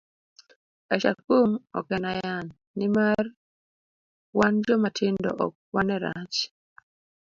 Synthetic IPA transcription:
aʃa̰kumɔ̰kɛnajanːɪmar | wand͡ʒɔmatʰɪndɔ̰ʔɔk̚wanɛɾa̰t͡ʃ

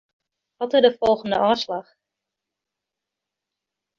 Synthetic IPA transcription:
ʋɔtɪrdəfɔlˠɣəndə̰ʔɔːslɑχ

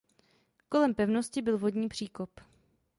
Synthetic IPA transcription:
ko̞lɛmpɛvnoscɪbɪlvo̞dɲiːpr̝̥iːkop

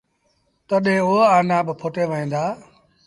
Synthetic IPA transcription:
t̪əɗẽːoaːnãːbɪpʰoːʈeːʋəɦĩːnd̪aː

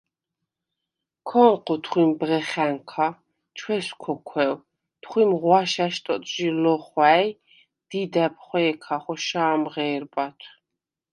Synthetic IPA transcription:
kʰɔnqʰɔt̪ʰχwimbʁɛχɛŋkʰa | t͡ʃʰwɛskʰɔkʰwɛw | t̪ʰχwimʁwaʃaʃt̪ʼɔt̪ʼʒilɔχwæj | d̪̥id̪ɛp̚ʰχwɛːkʰaχɔʃaːmʁɛːɾbʼat̪ʰw

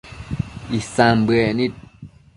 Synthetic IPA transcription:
ʔisambɯɛnit̪̚

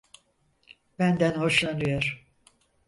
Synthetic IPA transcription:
b̥ænd̪ænho̞ʃlˠanɯjoɾ̥

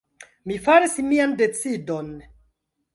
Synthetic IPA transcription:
mifaɾismiande̞t͡sido̞n

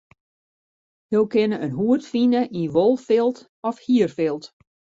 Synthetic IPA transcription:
jowkɪnəənɦuətfinəʔiʋolˠfɪlˠt | ɔfhiərfɪlˠt

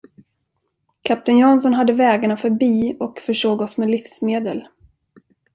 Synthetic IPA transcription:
kʰap̚t̪ɪnjɑnsɔnɦad̪ːəvɛːɡaɳafœɾbiːɔkfœʂoːɡɔsmeɛlɪfsmeːd̪əl

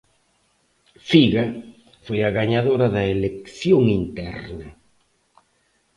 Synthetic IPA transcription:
fiɣɐ | fojɐɣaɲaðoɾɐðɐelekθjoŋint̪ɛɾnɐ

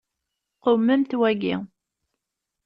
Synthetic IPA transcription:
qomːəmt̪wæɡḭ

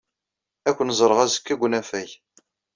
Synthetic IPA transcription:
ækʷːənzˤəɾˤəʁæzə̥kːiɡʷːnæfæj

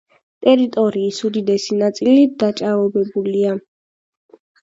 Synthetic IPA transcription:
t̪ʼɛɾit̪ʼɔɾiːsud̪id̪ɛsinat̪sʼilid̪̥at͡ʃʼavɔbɛbulia

